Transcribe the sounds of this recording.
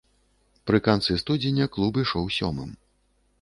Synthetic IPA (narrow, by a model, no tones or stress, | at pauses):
pɾɨkant̪sɨst̪ud͡zʲenʲɐklˠubiʂɔwsʲɔ̰mɨ̰m